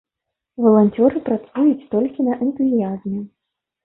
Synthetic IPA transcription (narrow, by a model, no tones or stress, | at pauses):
vɐlˠanʲt͡sʲɔɾɨpɾat̪sujut͡sʲt̪ɔlʲkʲinɐʔɛnt̪uzʲijazmʲɛ